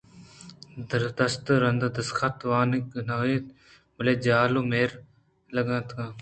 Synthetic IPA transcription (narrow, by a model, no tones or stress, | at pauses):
d̪ɐɾd̪ɐst̪ɾɐnd̪d̪ɐskʰɐt̪ʋaːniknɐiːt̪ | mɐleːd͡ʒaːlumeːɾ | lɐɡɐ̃ːt̪ʰkãː